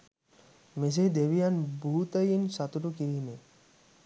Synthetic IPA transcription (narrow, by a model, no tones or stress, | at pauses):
mes̬ed̪eʋijanbuɦut̪əjinsat̪uʈukiɾime